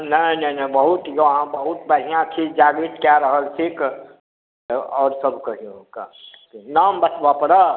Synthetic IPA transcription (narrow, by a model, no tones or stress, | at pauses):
nəinɐinəbəɦut̪joɦãbəɦut̪bəɽ̤ijãk̪ʰid͡ʒaːɡit̪kjaɾəɦəlsik | ɔːɾsəbkəɦiõka̰ | naːmbət͡ʃbapɾə